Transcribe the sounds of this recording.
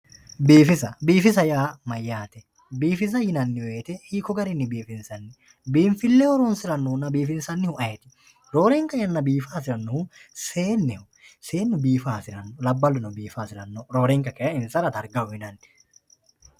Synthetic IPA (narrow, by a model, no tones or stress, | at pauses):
biːfɪsɐbiːfɪs̬ɐjaːmɐjːaːt̪ɛ | biːfɪs̬ɐjɪnɐnːɪweːt̪ɛhiːkɔɡɐɾɪnːɪbiːfɪnsɐnːɪ | biːɱfɪlːɛhɔɾoːnsɪɾɐnːʊnːɐbiːfɪnsɐnːɪhʊʔɐjɛt̪ɪ̥ | ɾoːɾɛŋkɐjɐnːɐbiːfaːsɪɾɐnːɔhʊseːnːɛhʊ | se̞ːnːʊbiːfaːsɪɾɐnːɔlɐbːɐlːʊnɔbiːfaːsɪɾɐnːɔɾoːɾɛŋkɐkɛjɐɪnsɐɾɐt̪ɐɾɡɐʊhɪnɐnːɪ̥